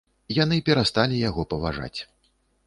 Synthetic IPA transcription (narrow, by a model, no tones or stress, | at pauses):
jan̪ɨpʲɛɾast̪alʲijaɣɔpɐvaʐa̰t͡sʲ